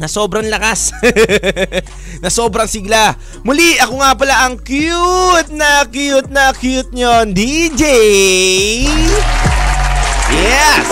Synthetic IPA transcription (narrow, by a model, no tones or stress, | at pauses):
nɐso̞ːbɾɐŋlɐkas | nɐso̞ːbɾɐŋsɪɡla | mʊliʔɐkoŋapɐlaʔɐŋkjut̪̚nɐkjut̪̚nɐkjut̪̚ɲond̪id͡ʒɛ | j | jɛs